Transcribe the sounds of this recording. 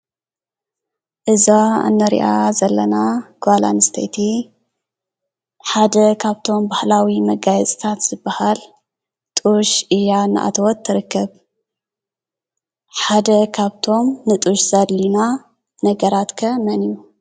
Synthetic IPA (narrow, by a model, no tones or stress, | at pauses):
ʔɨzaa̰nːɐɾḭʔazɐlːɐnaɡ̥ala̰nɨst̪ʰɐjt̪ʰi | ħad̪ɐkʰaβt̪ʰo̞mbahlawimɐɡajɛt͡sʼt̪ʰat̪z̥ɨbːahal | t̪ʼuʃɨjanɨ̰ʔa̰t̪ʰwɔt̪ʰːɨɾɨkʰːɐβ | ħad̪ɐkʰaβt̪ʰo̞mnɨt̪ʼuʃz̥ɐdlina | nɐɡɐɾat̪kʰɐmɐniju